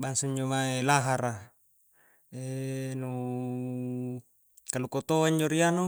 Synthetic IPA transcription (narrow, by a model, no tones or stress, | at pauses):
baŋsaɲd͡ʒomaelaɦaɾa | enu | kalukot̪oaɲd͡ʒoɾianu